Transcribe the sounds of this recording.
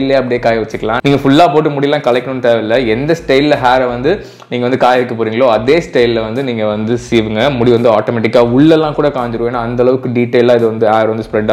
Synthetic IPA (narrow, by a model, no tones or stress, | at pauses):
lːeːɐpːɐɽijeːkaːjɐʋɐt͡ʃːɯkːɐlãːniːŋɡɐfʊɭːaːpoːʈ̬ːɐmʊɽɪlːãːkɐlɐɛkːɐnɯnːt̪eːʋɐɪlːɐɛnd̪ɐsʈɐɪlɦaːɾɐʋɐnd̪ɯ | niːŋɡɐʋɐnd̪ɯkaːjɐʋɛkːɐpoːɾiːŋɡɐɭoːɐðeːsʈɐɪllɐʋɐnd̪ɯniːŋɡɐʋɐnd̪ɯsiːʋɯŋɡɐmʊɽiʋɐnd̪ɯaːʈoːmɛʈɪkːaːʊɭːɛlːãːkuːɽɐkaːɲd͡ʒɪɾɯʋẽːnːaːɐnd̪ɐlɐʋɯkːɯɖiʈːeɪlaːɪðɯʋɐnd̪ɯhaːɾʋɐnd̪ɯspɾɛɖaː